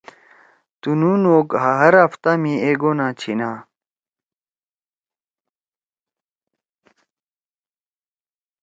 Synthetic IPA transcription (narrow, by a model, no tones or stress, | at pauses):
t̪unuːnoːkɦɐɦɐɾɦɐft̪amĩeːɡoːnaːt͡ɕʰina